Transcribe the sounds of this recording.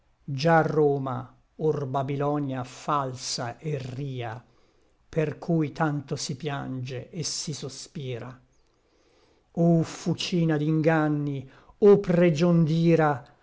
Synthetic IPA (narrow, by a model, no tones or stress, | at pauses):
d͡ʒarːoːma̰ | orbabilɔnjafalsaʔerːiːa̰ | perkʰujt̪ant̪osipjand͡ʒeʔːsisospiːɾa | ofut͡ʃiːnad̪iŋɡanːi | opred͡ʒond̪iːɾa